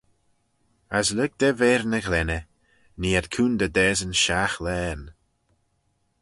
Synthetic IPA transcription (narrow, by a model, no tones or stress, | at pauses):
aslʊɡ̚d̪̥ɛveːɾnəɣlɛnə | niːədkʰuːnd̪əd̪ɛːzənʃaxlɛːn